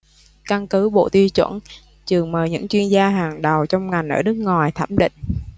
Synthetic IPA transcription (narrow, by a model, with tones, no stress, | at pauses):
ka˧ŋkɨ˨˦ɓo̰˧˨t̪i˧wt͡ɕwə̰˧˩n | t͡ɕɨ˨˩əŋməː˨˩jɲɨ̰˧˥ŋt͡ɕwi˧ənzaː˧ɦaː˨˩ŋɗə˨˩wt͡ɕɔ˧wŋ͡mŋa˨˩jŋ̟ʔəː˧˩ɗɨ˦˥k̚ŋɔ˨˩jt̪ʰə˧˩mɗḭ̈˧˨ŋ̟